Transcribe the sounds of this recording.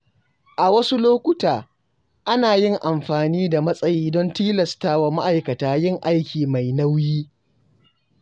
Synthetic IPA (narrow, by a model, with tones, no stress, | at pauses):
ʔa˨wɐ˦su˦loː˦kʷʊ˦taː˨ | ʔa˦naː˨jɪ˦ŋʔa˨mɸaː˨niː˦da˨mɐ˦sʼɐ˦jiː˦dɔ˦ntiː˦lɐ˨staː˦wa˨ma˦ʔa˨jkɐ˨taː˨˦jɪ˦˨ŋʔa˦jkʲʰiː˨ma˨jna˦wjiː˦